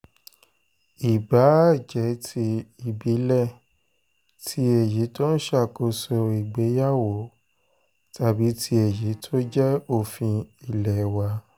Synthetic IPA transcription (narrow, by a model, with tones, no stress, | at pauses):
i˨ba˨˦˨d͡ʒɛ˨˦tʰi˧i˨bi˨˦lɛ˦˨ | tʰi˦e˨ji˨˦tɔ˦n̩˦ʃa˦˨ko˧sɔ˧i˨ɡ͡be˨˦ja˦˨wo˨˦ | tʰa˨bi˨˦tʰi˧˦e˨ji˨˦tʰo˦d͡ʒɛ˦o˦˨fĩ˧i˨lɛ˨wa˧˦